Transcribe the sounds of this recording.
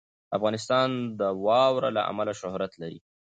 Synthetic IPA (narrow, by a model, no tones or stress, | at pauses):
afɣɑnɪs̬t̪ɑnd̪əwɑwɾala̰ʔa̰malaʃʊhɾat̪laɾḭ